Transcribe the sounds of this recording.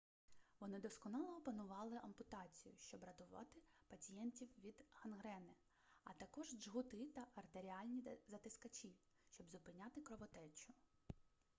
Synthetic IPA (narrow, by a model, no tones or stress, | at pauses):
ʋɔnɪd̪ɔskɔnɑlˠɔɔpɐnʊʋɑlˠɪʔɐmpʊt̪ɑt͡sʲijʊ̰ʃt͡ʃɔbɾɐt̪ʊʋɑ̰t̪ɪpɐt͡sʲijɛntʲiwʋʲid̪hɐnɦɾɛnɪ | ɐ̰t̪ɐkɔʒd͡ʒɦʊt̪ɪt̪ɐʔɐrt̪eɾʲiɑlʲnʲizɐt̪ɪskɐt͡ʃʲi | ʃʲt͡ʃɔbzʊpɪnʲɑt̪ɪkɾɔʋɔt̪ɛt͡ʃʊ